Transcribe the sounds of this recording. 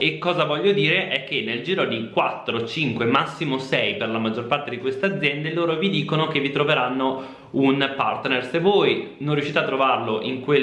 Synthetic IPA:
ekːɔːzavɔʎːod̪iːɾeʔɛkːenːeld͡ʒiːɾod̪ikwat̪ːɾot͡ʃiŋkwemasːimosɛjperlamad͡ʒːorpart̪ed̪ikwest̪ead̪zjɛnd̪eloːɾovid̪iːkonok̟evːit̪ɾoveɾanːo | unpart̪nersevːojnõnrjuʃːiːt̪eat̪ːɾovarloʔiŋkwe

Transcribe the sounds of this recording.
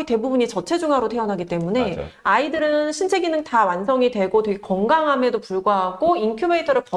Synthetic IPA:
ite̞bubuɲit͡ɕʌt͡ɕʰe̞d͡ʑuŋɦaɾotʰe̞ʌnɦaɡit͈e̞mune̞̰aidɯɾɯnɕʰint͡ɕʰe̞ɡinɯntawansʰʌŋidwe̞ɡotweɡekʌŋɡaŋɦamedopuɭɡwaɦaɡ̥oinkʰjube̞itʰʌɾɯɭpʌ

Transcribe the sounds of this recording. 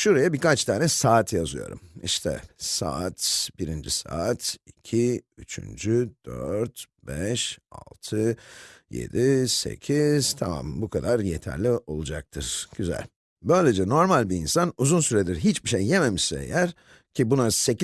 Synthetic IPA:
ʃuɾajabiɾkat͡ʃt̪ʰaːnɛsaːt̪ʰjazɯjo̞̰ɾṵmḭʃt̪ʰɛ̰sa̰at̪biɾind͡ʒḭsa̰ːt̪icʰiyt͡ʃʰy̰nd͡ʒyd̪̥øɾt̪ | b̥ɛʃa̰lˠt̪ʰɯjḛd̪ise̞̰cʰiz̥t̪ʰama̰mbukʰad̪aɾjet̪ʰæ̰ɾlʲio̞lˠud͡ʒak̚t̪ʰɯɾ̥ɟ̥yzæ̰lʲ | bø̞jlʲed͡ʒɛno̞ɾmalʲbiːnsanuzunsyɾed̪iɾɦit͡ʃbiʃejːeme̞miʃsɛ̰ḛjæɾ | cʰibunasec

